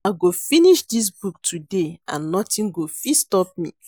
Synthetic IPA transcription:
aɡofiniʃdis̬buk̚tʰudeã̰nːɔtĩnɡofistɔp̚mḭ

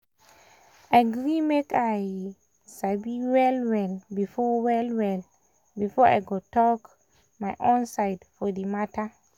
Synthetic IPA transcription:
ʔajɡɹimekaj | sabiwɛlwɛlbifɔwɛlwɛl | bifɔa̰jɡotɔk | majʔõnsajdfɔdimatʰa

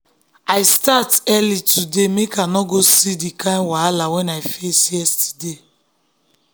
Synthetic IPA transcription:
aɪstatɛlitʰudemekanɔɡosidikãmwalawɛnajfesjɛstide

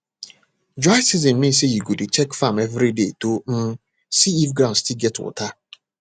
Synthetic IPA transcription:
d͡ʒaɪsizinːmĩs̬ejiɡodit͡ʃɛkfamevɾidetom̩ | siifɡɾãʊnstilɡɛtwʊ̰ta

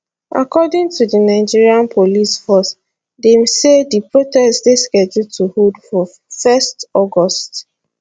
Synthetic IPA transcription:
ʔa̰kɔdɪ̃ŋtudinaɪd͡ʒiɹiãnpʰolisfɔs | demsedipɹotɛsdeskɛd͡ʒutʰuhudfɔ | fɛstɔɡɔst

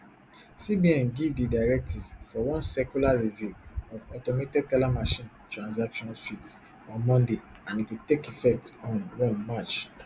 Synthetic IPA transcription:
sibiɛ̃nɡivdidaɹɛk̚tʰivfɔwɔ̃nsɛkulaɹivjuɔvɔtometik̚tɛlamaʃĩn | tɹãnzakʃɔ̃nfiz | ɔ̃mɔ̃nde | ãnikitekifɛk̚tɔ̃nwɔ̃nmat͡ʃ

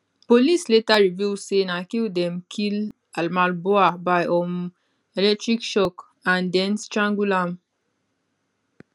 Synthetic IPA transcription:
polisletaɹivjusenakildɛ̃mkʰil | almalboabaɪʔɔ̃m | elɛk̚tɹikʃɔk | ãndɛ̃nstɹãŋɡulãm

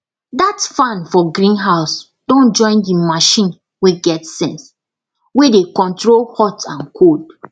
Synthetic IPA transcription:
datfãnfɔɡɾĩnɦaʊs | d̥ɔ̃nd͡ʒɔ̃ɪ̃ndimaʃĩn | weɡɛtsɛ̃ns | wedekɔ̃ntɹolhɔtãnkʰod

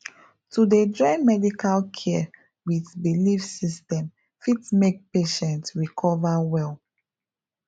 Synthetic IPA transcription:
tudedɹɔɪmɛdikʰalkʰɛ | witbilifsistɛ̃m | fitsmek̚peʃɛ̃ntsɹikʰɔvawɛl

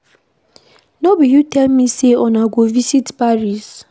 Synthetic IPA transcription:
nɔbijutɛlmiseɔ̃naɡovisitpaɹis

